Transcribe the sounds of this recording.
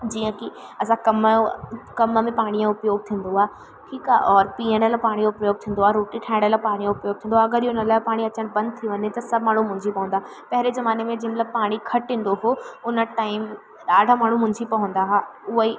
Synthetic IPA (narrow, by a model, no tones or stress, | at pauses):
d͡ʑiːə̃kiɐsãkɐm | kɐməmẽpaːɽ̃ijãʊpjoːɡ̚t̪ʰĩːn̆d̪oaː | ʈʰiːkaːʔɔːɾpiːəɽ̃əlapaːɽ̃ij̃ʊpjoːɡ̚t̪ʰĩːn̆d̪oaːɾoːʈiʈʰãːɪ̃ɽ̃əlapaːɽ̃ijãʊpjoːɡ̚t̪ʰĩːnd̪oaːɐɡəɾiɦoɪnəlaːpaːɽ̃iɐt͡ɕəɽ̃bɐ̃nd̪̚t̪ʰiʋɐɲet̪ɐsɐbʱmaːɳ̤ũmʊ̃ɦɪ̃ɲd͡ʑipɐɦʊ̃nd̪aːɦa | pɐɦɾezɐmaːnemẽd͡ʑĩːmɐt̪ləb̚paːɽ̃ikʰɐʈĩːnd̪oɦoːʊnə̆ʈaːɪm | ɗaːɖʱamaːɳ̤ũmʊ̃ɦɪɲd͡ʑipɐɦʊ̃n̆d̪aɦaʊɦəi